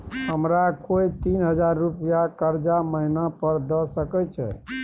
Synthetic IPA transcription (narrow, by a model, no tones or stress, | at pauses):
həmɾakoit̪inɦəd͡ʒaɾːupjakəɾd͡ʒaməɦinapəɾd̪əsəkɛt͡ʃʰɛ̰